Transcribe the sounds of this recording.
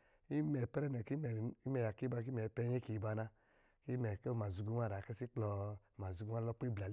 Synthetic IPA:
i˦mɛ˨pɛ˦ɾɛ˦nɛ˨ki˦˨i˦mɛ˧ja˨ki˦ba˧k̬i˦mɛ˨pɛ˧˦e˦ki˨ba˧na˧ | ki˦mɛ˨ke˦˨ma˨zu˧ɡu˧˦wʷa˦˨ɾa˨kɛ˦si˦k͡plɔ˧˨ma˨zu˧ɡu˦a˦lɔ˦k͡pe˦bla˨˦

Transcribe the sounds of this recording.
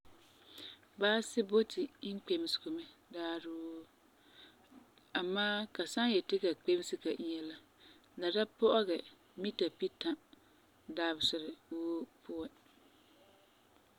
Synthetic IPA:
baː˦sɪ˦bo˦tʰi˨i˦ŋ˦k͡pe˨m˨sko˨mɛ˦daː˦ɾʊ˦ | a˨maː˦ka˨sa˦ŋ˦jɛ˨tɪ˦ka˨k͡pe˦m˦sɪ˦ka˨ʔi˦ɲɛ˦la˦ | la˨da˦pɔ˦ʔɔ˦ɣɛ˨ | mi˦ta˨pi˦ta˨ | daː˦bsɪ˨ɾɪ˨woː˦pʰʊ˦ɛ˦

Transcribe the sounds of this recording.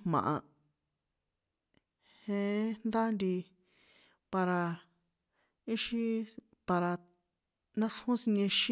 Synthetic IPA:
mã̰˨ʔa˧ | hẽ˧˦nd̪a˦nɾi˧ | pa˧ɾa˧ | i˦ʃi˦ | pa˧ɾa˧ | nã˦ʂhũ˦si˧nẽ˧ʃi˦

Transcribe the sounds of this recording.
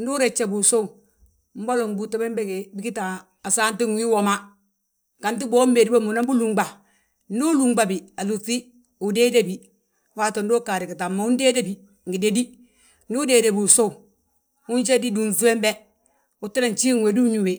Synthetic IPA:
n˦du˦ɾe˨t͡ʃːe˨bu˨so˦u˨ | m̩˦bo˦lɔ˨ŋ˨bu˨ta˨˦bɛ˦mbe˦ke˨bi˦ki˦ta˨ | a˨saː˦n˦ti˦ŋwi˦wɔ˨ma˦ | ka˨nt̬i˦bɔː˦m˦be˨di˦ba˦mu˨na˦bu˦lu˨ŋɡ͡ba˨ | n̩˦duː˦lu˨ŋɡ͡ba˨bi˨a˨lu˨ti˦ | u˨de˦de˦bi˨ | wa˦to˨n˦do˦ka˨ɾɪ˨ki˨ta˨mːa˨u˦ndeː˦de˦bi˨ | ŋ̩˨ɡi˨de˦di˦ | ndu˦deː˨de˨bu˨so˦u˨ | u˦nt͡ʃe˦di˦du˨nzu˦e˦mbɛ˦ | u˨ti˦ɾa˨nt͡ʃi˦ŋwe˨du˦ɲu˨we˨

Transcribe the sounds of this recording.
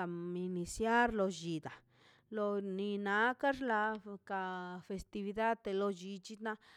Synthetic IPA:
a˨mi˧ni˧sja˦ɾlo˧d͡ʒi˨d̪a˨ | lo˧ni˧na˧ka˦ʐla˧ka˧fe˧st̪i˧βi˧d̪a˦d̪t̪e˧lo˧d͡ʒi˧t͡ʃi˦na˧

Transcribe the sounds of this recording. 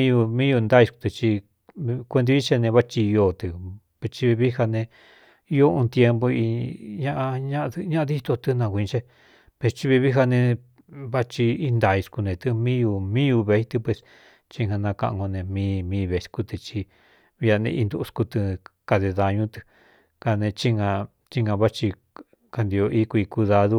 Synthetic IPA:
ĩ˦ju˧mĩː˦ju˧nd̪a˦i˧sku̥˧t̪ɨ˧t͡ʃi˧ | kʷe˧d̪̬i˧˦i˦t͡ʃe˦˧nẽ˧βa˦˧t͡ʃi˧jo˧˨t̪ɨ˧ | pe˧t͡ʃi˧βi˧βi˦ha˧nẽ˧ | i˦jo˦ũ˧t̪je˧mbo˧i˧ɲã˦ʔa˧ɲã˦˧ɲã˦ʔa˧ði˦t̪o˧t̪ɨ˧nã˧kʷi˧t͡ʃe˦˧ | pe˧st͡ʃi˧βi˧βi˦ɦa˧nẽ˧ | βa˦t͡ʃi˧i˦nd̪a˨i˧sku˧nẽ˨˧t̪ɨ˧mĩ˦ju˧mĩ˦ju˧βe˧i˦t̪ɨ˧pwe˧s | t͡ʃi˧ha˧nã˧kã̰˧ʔŋɡo˧nẽ˧mĩː˧mĩː˧βe˨˧sku˧t̪ɨ˧t͡ʃi˧ | βi˧a˧nḛ̃˧i˧nd̪u˧ku˧t̪ɨ˧ka˧ðe˧ða˧ɲũ˦t̪ɨ̥˧ | ka˧nẽ˧t͡ʃi˦ŋã˧ | t͡ʃi˦ŋɡã˧βa˦t͡ʃi˧ | ka˧nd̪i˧o˧ʔi˧kʷu˧i˧ku˧ða˧ðu˧

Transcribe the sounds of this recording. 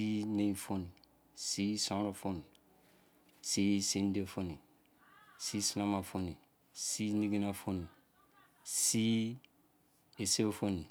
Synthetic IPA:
si˦nẽjfo˦ni˨ | si˦sã˦ɾofo˦ni˨ | si˦si˦ndefo˦ni˨ | si˦sinama˨fo˦ni˨ | si˦ni˦ɡi˦nafo˦ni˨ | si˦ | e˨se˦fo˦ni˨

